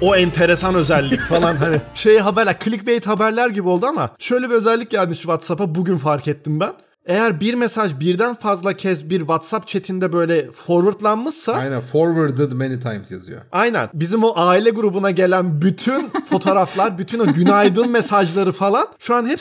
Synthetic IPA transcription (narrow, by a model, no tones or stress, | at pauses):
o̞ɛnt̪ʰe̞ɾe̞sanø̞zɛlʲːicfalˠanɦaniʃejɦabæɾlʲæɾkʰlʲicve̞jit̪habæɾlʲæɾɟibio̞lˠd̪uama̰ʃø̞jlʲe̞biø̞zɛlʲːic̚ɟælʲmiʃtvat̪sapabuɟynfaɾkɛt̪ʰːinbæn | e̞jæɾbiɾmesaʒbiɾd̪ænfazlˠacʰɛsbiɾvat̪sap̚t͡ʃʰe̞t̪ʰind̪ɛbø̞jlʲɛfoɾvɯɾt̪lˠanmɯʃsaajnænfoɾvɯɾd̪ɯd̪menit̪ʰa̰jmzja̰zɯ̰jo̰ajnæ̰nbizimoʔaːilʲɛɡuɾubunaɟe̞lʲænbyt̪ʰynfo̞t̪ʰo̞ːɾaflˠaɾbyt̪ʰyno̞ɟynajd̪ɯnme̞saʒlˠaɾɯfalˠanʃuanhɛp